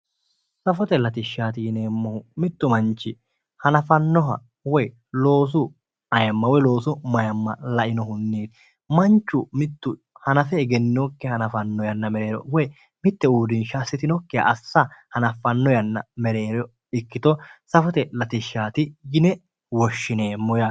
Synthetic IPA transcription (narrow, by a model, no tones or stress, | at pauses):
sɐfɔt̪ɛlɐt̪ɪʃːaːt̪ɪjɪneːmːɔhʊmɪt̪ːʊmɐnt͡ʃːɪ | hɐnɐfɐnːɔɦɐ̰ | wɔj | lo̞ːs̬ʊ | ɐjɐmːɐwɔjlo̞ːsʊmɐjɐmːɐlɐʔɪnɔɦʊnːeːt̪ | mɐnt͡ʃːʊmɪt̪ːʊ | hɐnɐfɛːɡɛnːɔkːɛhɐnɐfɐnːɔjɐnːɐmɛɾe̞ːɾɔ̰wɔj | mɪt̪ːɛuːd̪ɪnʃaːsːɪt̪ɪnɔkːɛjɐ̰ʔɐsːɐhɐnɐfɐnːɔjɐnːɐ̰mɛɾe̞ːɾɔ | ɪkːɪt̪ɔsɐfɔt̪ɛlɐt̪ɪʃːaːt̪ɪjɪnɛ | wɔʃːɪneːmːɔja